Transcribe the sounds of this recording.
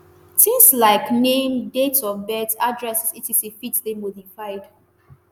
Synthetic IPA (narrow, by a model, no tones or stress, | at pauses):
tĩŋslaɪknẽmdetɔfbɛtadɹɛssitisefitðemodifaɪd̥